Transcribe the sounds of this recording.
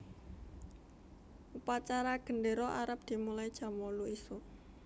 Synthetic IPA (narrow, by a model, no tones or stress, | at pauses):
ʔupat͡ʃaɾaɡ̥ə̤ɳɖeɾɔʔaɾəp̚d̪̥i̤mulajd̥ʒ̥a̤moluiso